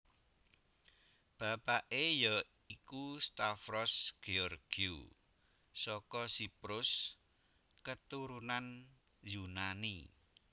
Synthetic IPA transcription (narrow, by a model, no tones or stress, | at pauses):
b̥a̤paʔejɔ | ikust̪afɾɔsɡ̥eɔrɡ̥iu | sɔkɔsipɾʊs | kət̪uɾunan | junanḭ